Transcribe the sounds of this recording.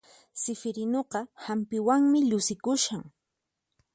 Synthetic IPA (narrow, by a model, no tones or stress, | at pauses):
sɪfɪɾɪnoqɑhampɪwaŋmɪʎʊsɪkʊʃaŋ